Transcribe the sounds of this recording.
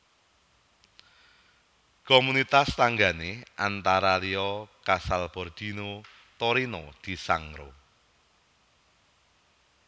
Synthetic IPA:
komunit̪ast̪aŋɡaneʔant̪aɾaliɔkasalb̥ɔrd̪̥ino | t̪oɾinod̪̥i̤sa̰ŋɾo̰

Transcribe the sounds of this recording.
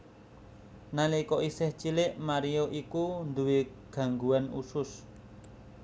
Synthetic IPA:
nalikɔʔisɪht͡ʃilɪʔmaɾijoʔikund̪uwe | ɡ̥a̤ŋɡuanṵsʊs

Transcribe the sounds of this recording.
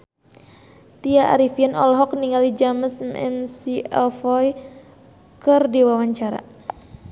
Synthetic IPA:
t̪iaʔa̰ɾifianɔ̰lɦɔk̚niŋalid͡ʒaməsmʔɛ̰msiɛlfɔj | kərdiwawaɲt͡ʃaɾa̰

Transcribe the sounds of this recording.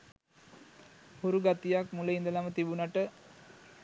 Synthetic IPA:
huɾuɡat̪ijakmuləind̪əlamət̪ibunaʈə

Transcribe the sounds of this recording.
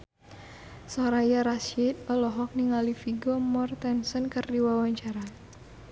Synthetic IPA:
sɔɾajaɾasit̪̚ɔlɔɦɔk̚niŋalifiɡɔmɔrt̪ɛnsɔnkɨrdiwawaɲt͡ʃaɾa

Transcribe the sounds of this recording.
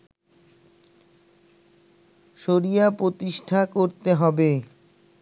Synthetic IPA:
ʃoɾijapɾot̪iʃʈʰakoɾt̪eɦɔbe

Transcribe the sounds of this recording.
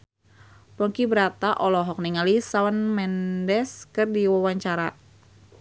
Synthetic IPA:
pɔŋkibəɾat̪aʔɔlɔɦɔk̚niŋalisawanmɛndɛskɨrdiwawaɲt͡ʃaɾa

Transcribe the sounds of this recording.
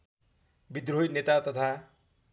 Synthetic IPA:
bid̪rojnet̪at̪ʌt̪ʰa

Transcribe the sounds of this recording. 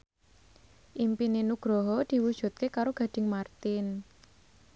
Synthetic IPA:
ʔimpinenuɡ̥ɾɔɦɔd̪̥i̤wud̥ʒ̥ṳt̪̚kekaɾoɡ̥ä̤d̪̥ɪ̤ŋmart̪ɪn

